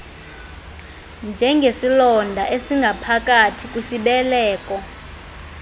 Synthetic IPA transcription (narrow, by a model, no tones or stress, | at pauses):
nd͡ʒʱɛŋɡʱesilɔndʱaʔesiŋɡʱapʰak̬ʼatʰikʼwiʃiɓɛlɛːkʼɔ